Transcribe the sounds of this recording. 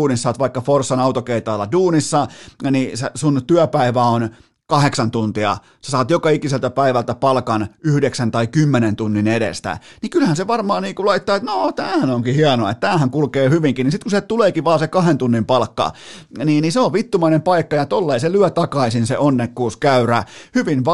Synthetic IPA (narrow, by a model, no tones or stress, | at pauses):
uːnisɑːt̪ʋɑikːɑforsːɑnɑut̪okeit̪ɑːlːɑduːnisːɑnisesunt̪yæpæiʋæon | kɑheksɑnt̪unt̪iɑ̰ | se̥sɑːt̪jokɑikiselt̪æpæiʋælt̪æpɑlkɑnyhdeksænt̪ɑikymːenent̪unːineɾḛst̪æ̰nikylhænseʋɑrmɑːnniːŋkulɑit̪ːɑːet̪not̪æːhænoŋkihiɑnoɑḛt̪t̪æːhæŋkulkeːhyʋiŋkinisit̪kusiet̪uleːkiʋɑːsekɑhent̪unːimpɑlkːɑ̰niːniseoʋʋit̪ːumɑinempɑikːɑjɑt̪olːeiselyæt̪ɑkɑisinsḛʔonːekːuːskæyræhyʋinʋ